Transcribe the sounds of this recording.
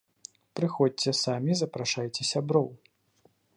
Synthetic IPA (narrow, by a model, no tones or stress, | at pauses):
pɾɨxɔt͡sʲɛsamʲizɐpɾaʂajt͡sʲɛsʲabɾɔw